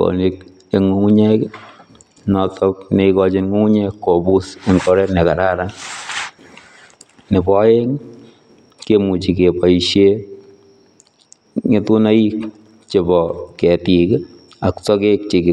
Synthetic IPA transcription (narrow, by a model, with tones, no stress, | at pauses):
ko̰˨ni˦k | e˨ŋu˦ŋu˦ɲɛ˦k | nɔ˨tɔ˦k̚ne˨ikɔ˧t͡ʃɪ˦nŋu˦ŋu˦ɲɛ˦kːo˨bu˦se˨ŋkɔ˦ɾɛ˦tne˨ka˨ɾa˦ɾa˦ | nɪ˨bɔ˦je˦ŋ | ke˦mu˨t͡ʃi˨ke˨pa˨iʃe˦ | ŋe˦tu˦na˦i˦k̚ | t͡ʃe˨bɔ˨kɛ˨ti˨k | a˨ktɔ˦ke˦k̚t͡ʃi˨kɪ˨